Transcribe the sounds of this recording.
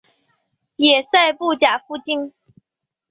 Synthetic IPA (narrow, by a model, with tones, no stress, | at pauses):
jɛ˨˩sa˥˧ɪpu˥˩t͡ɕja˨˩fu˥t͡ɕi˥n